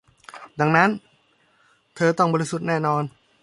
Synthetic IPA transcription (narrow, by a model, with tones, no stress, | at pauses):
da˨˩ŋna˦˥n | t̪ʰɤː˧t̪ɔ˥˩ŋbɔː˧i˦˥su˨˩t̪̚nɛː˥˩nɔː˧n